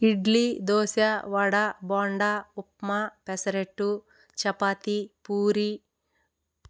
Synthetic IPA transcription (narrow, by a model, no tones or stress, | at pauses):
iɖlid̪oːsjɐʋɐɽabɔːɳɖaupmapesɐɾeʈːu | t͡ʃɐpaːt̪ipuːɾi